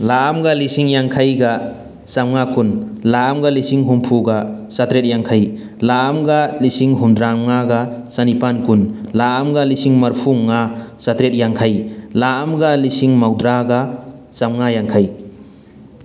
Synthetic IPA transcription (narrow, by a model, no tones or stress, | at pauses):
laːmɡalisiŋjaŋkʰajɡa | samŋakunlaːmɡalisiŋɦumpʰuɡasatɾet̚jaŋkʰaj | laːmɡalisiŋɦumdɾamŋaɡasanipankunlaːmɡalisiŋmɐɾpʰuŋasatɾet̚jaŋkʰajlaːmɡalisiŋmawdɾaɡasamŋajaŋkʰaj